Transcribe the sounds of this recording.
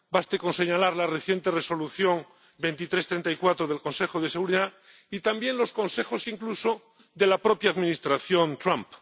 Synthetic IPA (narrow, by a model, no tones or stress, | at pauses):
bast̪ekonse̞ɲalaɾlareθje̞nt̪ereso̞luθjo̞ŋ | be̞nt̪it̪ɾe̞st̪ɾe̞nt̪ajkwat̪ɾoð̞e̞lko̞nse̞xoð̞e̞seɣuɾiða | it̪ambje̞nlo̞sko̞nse̞xo̞siŋkluso̞ | ðe̞lapɾo̞pjaːðminist̪ɾaθjo̞nt̪ɾamp